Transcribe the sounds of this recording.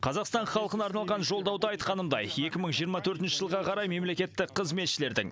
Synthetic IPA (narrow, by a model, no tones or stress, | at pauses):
qʰɑzɑqst̪ɑɴχɑlˠəqənɑɾnɑlˠʁɑnʒo̞lˠd̪ɑwd̪əɑjt̪qɑnəmd̪ɑjje̞kʲɪməɴʒijəɾmɑt̪ʰɵɾt̪ɪnʃɪʒəlˠʁɑqʰɑɾɑjme̞mle̞kʲe̞t̪ːɪqʰːəzme̞t̪ʃɪle̞ɾd̪ɪ̰ŋ